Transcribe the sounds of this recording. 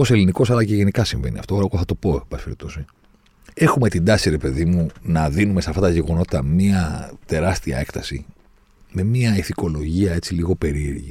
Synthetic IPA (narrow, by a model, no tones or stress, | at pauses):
ose̞liniko̞sɐlɐce̞ʝe̞nikɐsiɱve̞̰niɐ̰ft̪oookoθɐt̪o̞po̞bɐspeɾit̪osi | e̞xume̞t̪ind̪ɐsiɾe̞pe̞ðimunɐðinumesɐft̪ɐt̪ɐʝe̞ɣo̞no̞t̪t̪ɐmiɐt̪e̞ɾɐst̪iɐ̰e̞kt̪ɐsḭ | me̞miɐiθiko̞lo̞ʝiɐe̞t͡siliɣo̞pe̞ɾieɾʝi